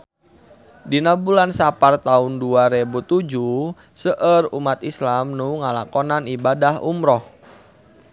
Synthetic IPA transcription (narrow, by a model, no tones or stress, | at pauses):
dinabulansapart̪aunduaɾebut̪ud͡ʒu | səʔərumat̪islamnuŋalakɔnanibadahumɾɔh